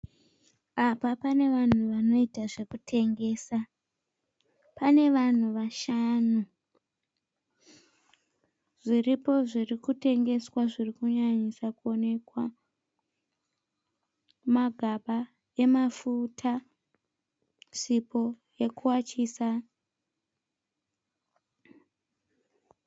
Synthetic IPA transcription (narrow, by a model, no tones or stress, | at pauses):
apapane̞ʋan̤uʋano̞itaʐe̞kutʰe̞ŋɡe̞ːsa | pane̞ʋan̤uʋaʃanu | ʐ̥iripo̞ʐirikute̞ŋɡe̞swaʐirikuɲaɲisakuo̞ne̞kwa | maɡʱaɓa | e̞mafutʰa | sipo̞ | je̞kuwat͡ʃisa